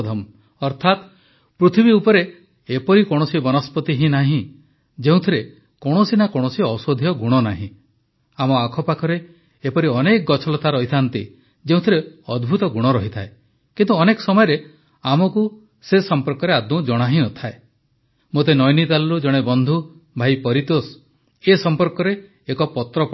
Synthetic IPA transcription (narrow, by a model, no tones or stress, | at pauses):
d̪ʱɔm | ɔɾt̪ʰat̪ | pɾut̪ʰibiupɔɾeː | pɔɾikoɽ̃ɔsibɔnɔspɔt̪iɦĩnaɦĩ | d͡ʒeũt̪ʰiɾe | koɽ̃osinakoɽ̃ɔsiɔsod̪ʱijɔɡuɽ̃ɔnaɦḭ̃ | amɔakʰɔpakʰɔɾeː | pɔɾiɔnekɔɡɔt͡ʃʰɔlɔt̪aɾɔɦit̪ʰant̪ḭ | d͡ʒeũt̪ʰiɾeɔd̪bʱut̪ɔɡuɽ̃ɔɾɔɦit̪ʰae | kint̪uɔnekɔ̥sɔmɔjɔɾe | amɔku | sesɔmpɔɾkɔɾead̪mũd͡ʒɔɽ̃aɦĩnɔt̪ʰae | mot̪̬enɔjnit̪alɾud͡ʒɔɽ̃ebɔnd̪ʱu | bʱajpɔɾit̪os | esɔmpɔɾkɔɾeː | kɔpɔt̪ɾɔp